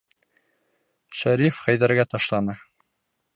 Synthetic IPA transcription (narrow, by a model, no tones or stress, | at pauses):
ʃæɾifχæjðæɾɡæt̪ɑʃlˠɑnɤ